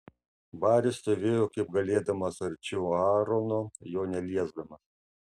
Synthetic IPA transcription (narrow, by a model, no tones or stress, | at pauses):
bɑːɾʲɪst̪oʋʲeːjoːkɐɪp̚ɡɐlʲeːd̪ɐmɐsɐɾʲt͡ʃʲuɑːɾonoːjoːnʲɛlʲiɛzd̪ɐmɐs